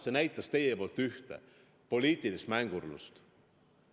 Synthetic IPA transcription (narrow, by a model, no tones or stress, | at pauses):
se̞næjt̪ːˑɑst̪e̞jepo̞lt̪ːyht̪e̞̰ | po̞lʲiːt̪ˑilist̪mæŋɡ̥urlṵst̪